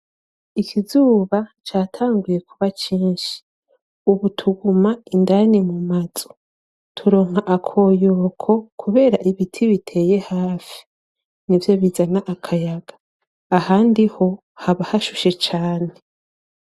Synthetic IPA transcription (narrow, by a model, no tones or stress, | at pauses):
ikʰizuːβat͡ʃaːtʰaːŋɡuje̞kʰuβat͡ʃiːnʃi̥ | uβutʰuɡumaindanimumaz̥o̥ | tʰuɾo̞ːŋ̥haʔakʰo̞ːjoːkʰo̞kʰuβe̞ːɾaʔiβitʰiβitʰe̞ːje̞haːfi̥ | nivjoβizanaʔakʰajaɡ̥ḁː | haːndiho̞ | haβahaʃuʃet͡ʃaːne̞